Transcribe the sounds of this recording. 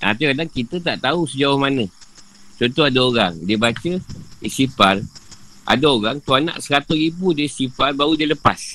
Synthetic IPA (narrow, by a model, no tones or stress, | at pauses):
ʔa̰t̪ikadaŋkit̪ət̪aʔt̪ausəd͡ʒawahmanə̃ | t͡ʃɔnt̪oadaoɾaŋdiəbat͡ʃəisipar | ʔa̰daoɾaŋt̪uanã̰ʔsəɾat̪uɾibudiəisiparbaudiələpa̰s